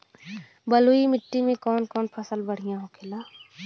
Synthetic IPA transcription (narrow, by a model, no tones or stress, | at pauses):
bəluimɪʈːimẽkɔːnkɔːnpʰəsəlbəɽ̤ɪjãɦõkʰelaː